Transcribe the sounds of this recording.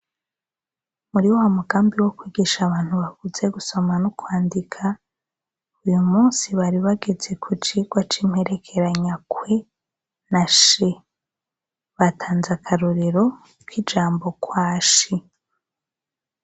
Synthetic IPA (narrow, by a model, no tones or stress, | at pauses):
muɾiwowamuɡaːmbiwo̞kwiːɡiʃaβaːn̥huβaɡuze̞ɡuso̞manukwaːndikʰa | ujumuːnsiβaɾiβaɡe̞d͡ze̞kʰut͡ʃiɡwat͡ʃim̥he̞ɾe̞kʰe̞ɾaɲakwe | naʃe | βatʰaːnzakʰaɾuɾeɾo̞ | kid͡ʒaːmbo̞kwaːʃi